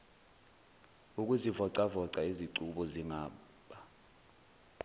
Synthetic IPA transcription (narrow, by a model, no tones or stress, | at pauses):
uk̬ʼuzivɔǀavɔǀaiziǀuɓɔziŋaː | ɓa